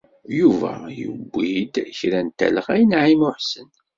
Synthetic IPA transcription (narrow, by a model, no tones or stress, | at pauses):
juvæ̰jə̰bʷːid̪çɾænt̪ːæ̰ləʁæjənʕimʊħsən